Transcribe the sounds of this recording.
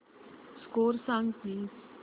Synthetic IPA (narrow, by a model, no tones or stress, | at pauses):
skoːɾsaŋɡkiː